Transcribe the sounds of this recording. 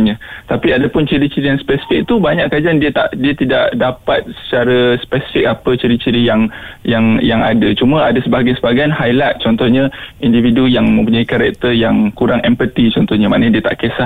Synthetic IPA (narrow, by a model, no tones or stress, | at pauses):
ɲət̪apiadapʊnt͡ʃiɾit͡ʃiɾijaŋspɛsi̥fɪk̚t̪ubaɲaʔkad͡ʒandiət̪a̰ʔdiət̪idaʔdapat̪̚sə̥t͡ʃaɾəspɛsi̥fik̚apət͡ʃiɾit͡ʃiɾijaŋjaŋjaŋa̰dat͡ʃumə̃adasəbaɡajnsəbaɡajnhajlat̪̚t͡ʃɔnt̪ɔhɲə̃individujaŋmə̃mp̬uɲaikaɾɛk̚t̪ərjaŋkuɾaŋɛmpət̪it͡ʃɔnt̪ɔhɲəmanədiət̪a̰ʔkəsa